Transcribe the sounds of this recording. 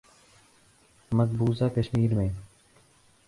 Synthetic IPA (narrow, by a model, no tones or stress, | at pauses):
məzbuːzaːkəʃmiːɾmẽː